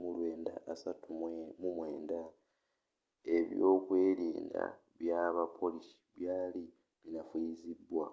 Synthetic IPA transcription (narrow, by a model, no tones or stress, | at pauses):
mulweːnda̰ːsatumumwe̞ːnda | e̞βjoːkwe̞ːliːnda̰ | βjaβapʰo̞lisi̥βjaːli | βinafizibwa̰